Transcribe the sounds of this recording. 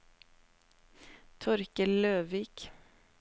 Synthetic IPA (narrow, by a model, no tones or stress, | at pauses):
t̪ʰɔɾkəløːʋiːk